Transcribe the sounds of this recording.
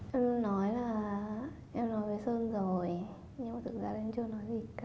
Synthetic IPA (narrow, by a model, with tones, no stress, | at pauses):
ʔɛ˧mnɔ˨˦jlaː˨˩ | ʔɛ˧mnɔ˨˦jvəː˨˦jsəː˧nzo˨˩j | ɲɨ˧ŋmaː˨˩t̪ʰɨ̰˨˧˩k̚zaː˧laː˨ʔɛ˧mt͡ɕɨ˧ənɔ˨˦jzi˨˩kː